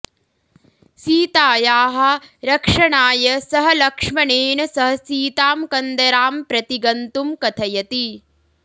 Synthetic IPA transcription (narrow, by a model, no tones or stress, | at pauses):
siːt̪aːjaːɦɐ̆ɾɐkʂɐɳaːjɐsɐɦɐ̆lɐkʂmɐɳeːɳɐsɐɦɐ̆siːt̪aːmkɐnd̪ɐɾaːmpɾɐt̪iɡɐnt̪umkɐt̪ʰɐjɐt̪i